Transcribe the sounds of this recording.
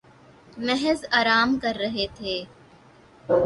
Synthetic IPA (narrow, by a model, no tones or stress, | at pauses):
mɛɦzaːɾaːmkɐɾːɐɦet̪ʰeː